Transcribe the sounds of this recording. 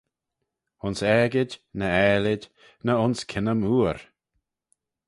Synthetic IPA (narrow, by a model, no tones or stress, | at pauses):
ʊnsɛɡɪdʲnəɛːlɪdʲ | nəʊnskʰɪnəmuːɾ